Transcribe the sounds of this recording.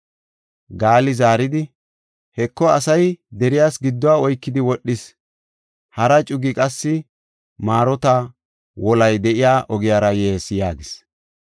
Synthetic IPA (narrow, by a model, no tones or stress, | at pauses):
ɡaːlɪzaːɾɪd̪ɪ | hɛkːɔɐsɐjd̪ɛɾɪjaːsɡɪd̪ːɔwaɔjkːɪd̪ɪwɔɗːɪs | hɐɾɐt͡ʃʼʊɡɪkʼɐsːɪ | maːɾɔt̪a | wɔlɐjd̪ɛʔɪjaːʔɔɡɪjaːɾɐjeːsɪjaːɡɪs